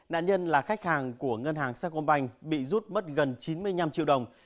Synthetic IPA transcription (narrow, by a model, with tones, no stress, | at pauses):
na̰ː˧˨nɲə˧nlaː˨˩xa˦˥jk̚haː˨˩ŋku˧˩əŋə˧nɦaː˨˩ŋsaː˧˥ko˧nɓa˧jŋ̟ɓḭ˧˨zu˦˥t̚mə˦˥t̚ɣə˨˩nt͡ɕi˨˦nmɨ˧əjɲa˧mt͡ɕḭ˧əwɗə˨˩wŋ͡m